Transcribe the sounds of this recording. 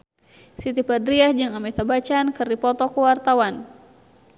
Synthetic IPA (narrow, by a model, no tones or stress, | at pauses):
sit̪ipadɾiahd͡ʒɨŋamɛt̪abat͡ʃaːnkɨrdipɔt̪ɔkuwart̪awan